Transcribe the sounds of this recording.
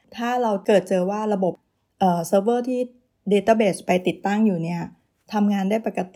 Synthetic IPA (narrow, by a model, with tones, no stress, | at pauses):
t̪ʰaː˥˩ɾa˧wkɤː˨˩t̪̚t͡ɕɤː˧waː˥˩ɾa˧bo˨˩p̚ | ʔɤː˨˩sɤː˧˥bɤː˥˩t̪ʰiː˥˩ | deː˧t̪aː˥˩beː˨˩spa˧jt̪i˨˩t̪ːa˥˩ŋjuː˨˩ni˥˩ɐ | t̪ʰa˧mŋaː˧ndaː˥˩jpa˨˩ka˧t̪i˨˩